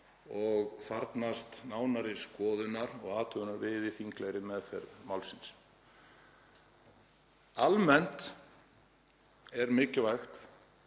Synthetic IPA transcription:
ɔɣθaɾt̪nast̪naːwnaɾɪskɔːðʏnaɾɔ̰ɣaːt̪ʰœɣʏnaɾvɪːðɪθiŋklɛɣɾɪmɛðθɛɾðmawlsins | almɛn̥t̪ | ɛɾmɪːcɪvajxt̪

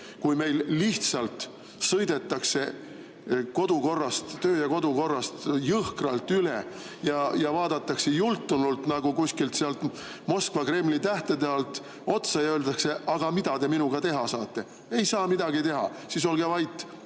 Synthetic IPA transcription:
kujme̞jlːiht̪sɑlt̪ | sɤjd̪̥e̞t̪ˑːɑkse̞ | ko̞d̪̥uko̞rːɑst̪ːø̞ːjɑko̞d̪uko̞rːɑst̪jɤhkrɑlt̪ːylejɑjɑvɑːd̪̥ɑt̪ˑːɑksejult̪ːˑunult̪ˑnɑɡ̥ukusʲkilt̪seɑlt̪ | mo̞skvɑkre̞mlit̪æht̪ed̪eɑlt̪ˑ | o̞t̪sɑjɑøːld̪ɑkse̞ʔɑɡ̥ɑmid̪̥ɑd̪̥e̞minuɡ̥ɑt̪e̞ɦɑsɑːt̪ːˑe̞ | e̞jsɑːmid̪ɑɡit̪e̞ɦɑ̰sis̬o̞lɡevɑjt̪ːˑ

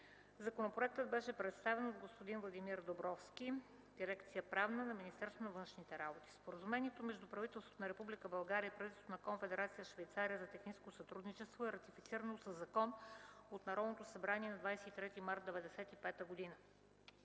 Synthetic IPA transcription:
zɐkonopoɾɛt̪əd̪̚bɛʃɛpɾɛt̪st̪avɛnod̪ɡospod̪invlˠɐd̪imiɾd̪obɾɔfskʲi | d̪̥iɾɛkt̪sijəpɾavnənɐminist̪ɛɾst̪vonɐvɤnʃnit̪ɛɾabot̪i̥spoɾəzumɛniɛt̪omɛʒd̪upɾɐvit̪ɛlˠst̪vo̥t̪onɐɾɛpublikəbɐlˠɡaɾʲiəipɾɐvit̪t̪ot̪onɐkoɱfɛd̪ɛɾat̪sijəʃvɛjt̪saɾijəzɐt̪ɛxniskosɐt̪ɾud̪nit͡ʃɛst̪voɛɾɐt̪ifit̪siɾənosəzːɐkɔnot̪nɐɾɔd̪not̪osɐbɾaniɛnɐd̪vajsɛit̪ɾɛt̪imaɾt̪̚d̪ɛvɛd̪ɛsɛt̪ipɛt̪əɡod̪inə

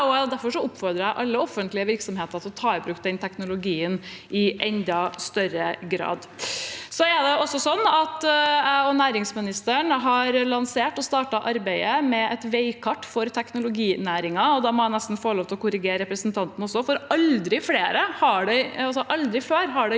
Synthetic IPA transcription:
ɔd̪æɾfɔʂɔʊpːfɔɾd̪ɾəæɪʔɑlːəɔfənt̪lɪəʋɪɾksɔmheːt̪ɑɾt̪ʰɪlɔt̪ʰɑːɪbɾʉːkt̪̚d̪ɛnt̪ʰɛknʊlʊɡiːənʔɪʔɛnd̪ɑst̪œɾəɡɾɑ̰ːd̪ | sɔɛɖ̪ɛɔsːɔsɔnːɑt̪æɪɔnæːɾɪŋsmɪnɪst̪əɳɦɑːɾlɑnseːʈɔst̪ɑːʈɑʔɑɾbæɪəmɛʔɛt̪ʋeɪkʰɑʈːfɔɾt̪ʰɛknʊlʊɡiːnæːɾɪŋɑɔd̪ɑːmɔæɪnɛst̪n̩foːɾɭoːʋt̪əɔkʰʊɾɪɡeːɾɾɛpɾəsnt̪ʰɑnt̪n̩ɔsːɔfɔɾɑld̪ɾɪfleːɾəhɑɖɛɪɑlsɔʔɑld̪ɾɪfeːɾɦɑɖɛ

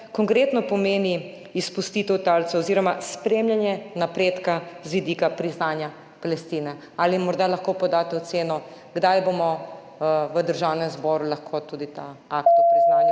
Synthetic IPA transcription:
kɔŋkɾeːt̪nɔpɔmeːni | ispust̪it̪ɛwt̪alt̪sɛɔziːɾɔmaspɾemljanjɛnapɾeːt̪kazʋid̪ikapɾiznaːnja | palɛst̪iːnɛ | aːlimɔɾd̪alɐxkopɔd̪at̪ɛɔt̪seːnɔ | ɡd̪ajbomɔ | ʋəd̪əɾʒawnɛmzbɔɾulaxkʰot̪ud̪it̪aakt̪ɾiznana

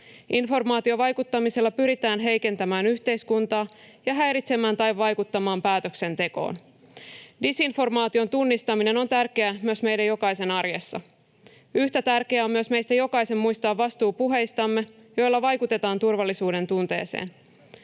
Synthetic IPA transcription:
ʔinfo̞rmɑːt̪io̞ʋɑjkut̪ːɑmiselːɑpyɾit̪æːnɦe̞jke̞nt̪æmæːnyçt̪e̞jskunt̪ɑː | jɑɦæjɾit̪se̞mæːnt̪ɑjʋːɑjkut̪ːɑmɑːmpæːt̪ø̞kse̞nt̪e̞ko̞̰ːn | disinfo̞rmɑːt̪io̞nt̪unːist̪ɑmine̞no̞nt̪ærke̞æmyøsme̞jdæjo̞kɑjse̞nɑrjesːɑ̰ | yçt̪æt̪ærkeæo̞mmyøsme̞jst̪æjo̞kɑjse̞mːujst̪ɑːʋːɑst̪uːpuɦe̞jst̪ɑmːe̞ | jo̞jlːɑʋɑjkut̪e̞t̪ɑːnt̪urʋɑlːisuːde̞nt̪unt̪e̞̰ːse̞̰ːn

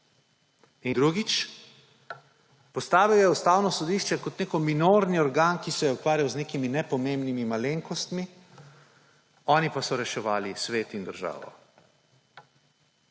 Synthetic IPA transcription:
ind̪ɾuɡit͡ʃ | pɔst̪aːʋiwjɛust̪aːwnɔsɔd̪iʃt͡ʃɛkɔt̪neːkɔminoɾniɔɾɡaːnkisɛjɛukʋaːɾjawzneːkiminɛpɔmembnimimaleːŋkɔst̪mi | ɔːnipasɔɾɛʃɛʋaːlisʋeːt̪ind̪əɾʒa̰ːʋɔ̰

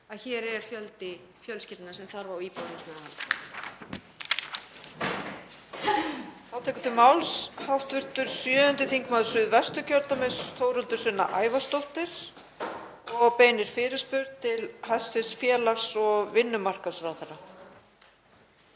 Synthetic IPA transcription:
aðçɛːɾɛɾ̥fjœlt̪ɪ | fjœlscɪlt̪nasɛmθaɾvawiːpowɾiŋsmɛðahalt̪ɪ | θawt̪ʰɛːkʏnt̪ʰɪmawlshawfht̪vʏr̥t̪ʏɾ̥sjœːʏnt̪ɪθiŋkmaðʏsʏðvɛst̪ʏcʰœɾt̪amesθoːwɾʏnt̪ʏɾ̥sʏnːa̰ʔaːjvast̪owht̪ɪɾ̥ | ɔɣpeːjnɪɾ̥fɪːɾɪspʏɾðt̪ʰɪlhasɪsfjɛːlaɣsɔɣvɪnːʏmar̥kḁsvɾawθaɾa

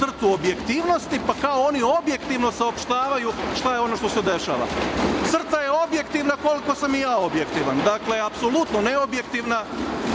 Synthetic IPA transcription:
r̩t̪uo̞bje̞kt̪iːʋno̞st̪ipakaoo̞nio̞bje̞kt̪iʋno̞saopʃt̪aːʋajuʃt̪ajeo̞no̞ʃt̪o̞se̞d̪e̞ʃa̰ːʋa̰t̪sr̩t̪aje̞o̞bje̞kt̪iʋnako̞liko̞samijaːobje̞kt̪iʋand̪akle̞apso̞lut̪no̞ne̞o̞bje̞kt̪iʋna

